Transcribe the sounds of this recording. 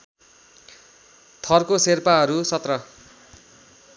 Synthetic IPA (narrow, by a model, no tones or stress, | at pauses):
t̪ʰʌrkoserpaɦʌɾusʌt̪rʌ